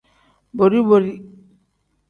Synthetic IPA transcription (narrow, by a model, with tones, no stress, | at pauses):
bo˨ɾi˦bo˨ɾi˦